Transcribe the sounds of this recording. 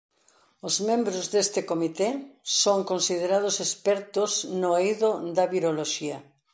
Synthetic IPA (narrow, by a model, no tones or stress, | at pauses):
ozmẽmbɾʊzðest̪ɪkomit̪esoŋkonsið̞eɾað̞ʊsespɛɾt̪ʊznojðʊd̪ɐβiɾoloʃiɐ